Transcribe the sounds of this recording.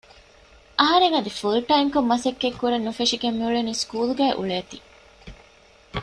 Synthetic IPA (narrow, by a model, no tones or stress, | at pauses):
ʔɐɦɐɾeŋɐd̪ifulʈɐimkomːɐsekːekːuɾenːufeʂiɡemːiuɭeniːskuːluɡæːʔṵɭeːt̪i